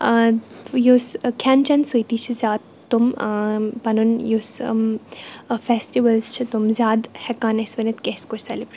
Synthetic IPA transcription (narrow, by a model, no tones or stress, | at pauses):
joskʰant͡ʃɐnsəjt̪iːt͡ʃʰizʲjaːd̪ | t̪ːum | bɐnunjoːs | fesʈiʋəlzt͡ʃʰit̪umzʲaːd̪hɛkaːnesʋɐnɐt̪keskoɾsɛlibɾi